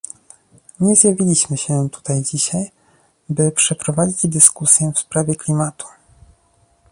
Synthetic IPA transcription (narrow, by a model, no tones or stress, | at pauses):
ɲɛzjavʲilʲiɕmɘɕɛt̪u̥t̪ajd͡ʑiɕaj | bɘpʂɛpɾɔvad͡ʑid͡ʑd̪ɘskusʲjɛfspɾavʲjɛklʲimat̪ʰu̥